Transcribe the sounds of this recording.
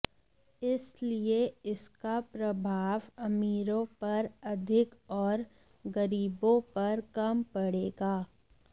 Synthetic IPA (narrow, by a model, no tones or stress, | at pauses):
ɪslieɪskapɾɐbʱaːʋɐmiːɾõpɐɾɐd̪ʱɪkɔːɾ | ɡɐɾiːbõpɐɾkɐmpɐɽeːɡaː